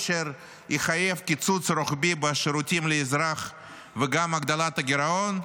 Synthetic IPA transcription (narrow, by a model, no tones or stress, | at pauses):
ʃeɾ | iχajevkʲit͡sut͡sɾoχbibɪʃeɾutʲimleːzɾaχ | vəɡamaɡd̪alat̪ɐɡʲɪɾaon